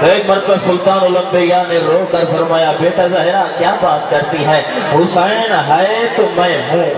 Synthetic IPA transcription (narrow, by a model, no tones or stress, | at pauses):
t̪oeːk̚mɐɾpəsʊlt̪aːnʊlə̃mbejaneɾoːkɐɾfɐɾmaːjabeːt̪ɐɾzaɦeɾakjaːbaːt̪̚kɐɾt̪iɦɛː | ɦʊːsaːɽ̃enaɦaet̪omɛ̃mẽ